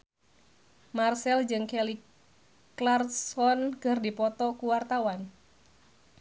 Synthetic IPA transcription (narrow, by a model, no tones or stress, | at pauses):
marsɛld͡ʒɨŋkɛli | klarsɔnkɨrdipɔt̪ɔkuwart̪awan